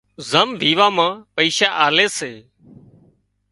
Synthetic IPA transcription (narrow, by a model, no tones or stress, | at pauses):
zəmʋiːʋaːmãːpəiːʃaːʔaːleːseː